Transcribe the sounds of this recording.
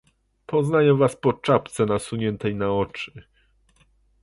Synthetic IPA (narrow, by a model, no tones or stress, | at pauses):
pɔznajɛvaspɔt͡ʂapt̪sɛnasuɲɛnt̪ɛjnaɔt͡ʂɘ̥